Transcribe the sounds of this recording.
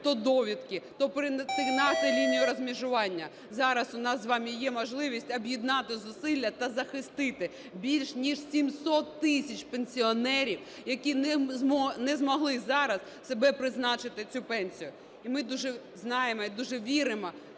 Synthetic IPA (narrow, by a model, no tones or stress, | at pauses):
t̪ɔd̪ɔʋʲid̪kɪt̪ɔpɾɪpɪnɑʃʊjlʲinʲijʊɾɔzmʲiʒʊʋɑnʲːɐ | zɑɾɐsʊnɑsʋɑmʲijɛmɔʒlˠɪʋʲisʲtʲɐbjid̪nɑt̪ɪzʊsɪlʲːɐt̪ɐzɐxɪst̪ɪt̪ɪ | bʲilʲʃnʲiʃsʲimsɔt̪ːɪsʲɐt͡ʃpenʲsʲiɔnɛɾʲiw | jɐkʲin | nɛzmɔɦlˠɪzɑɾɐs | sebɛpɾɪznɑt͡ʃɪt̪ɪt͡sʲupɛnʲsʲijʊ | imɪd̪uʒɛ | znɑjemɔid̪uʒɛʋʲiɾɪmɔ